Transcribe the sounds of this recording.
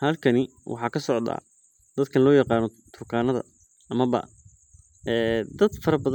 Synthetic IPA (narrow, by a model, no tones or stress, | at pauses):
hɐlkʰɐnɪ | wʔɑ̰ħɑːkʰɐsɔʕd̪a̰ː | d̪̥ɐd̪̚kʰɐnlɔːjɑqɑːnɔt̪ʰʊrkʰaːnɐðɐ̰ | ɐmɐβɐ̰ | ɛːd̪ɐd̪fɐɾɐbɐð